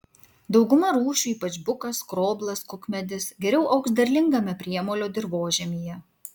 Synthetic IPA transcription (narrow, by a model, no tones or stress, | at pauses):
d̪ɒʊɡʊmɐɾuːʃʲuːiːpɐt͡ʃbʊkɐskɾoːblˠɐskʊkmʲɛd̪ʲɪsɡʲɛɾʲɛʊʔɐʊksʲd̪ɐɾʲlʲɪŋɡɐmʲɛpʲɾʲiɛmoːlʲoːd̪ʲɪɾʋoːʒʲɛmʲiːjɛ